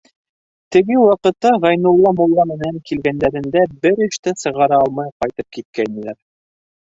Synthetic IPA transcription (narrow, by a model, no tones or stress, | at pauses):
t̪ɘ̆ɡɘwɑqɤ̆t̪ːɑʁɑjnŭlˠːɑmŏlˠːɑmɘ̆næŋkilɡænd̪æɾɘ̆nd̪æbɘɾɘ̆ʃt̪ɘsɤ̆ʁɑɾɑɑlˠmɑjqɑjt̪ɤp̚kit̪̚kænĭlæɾ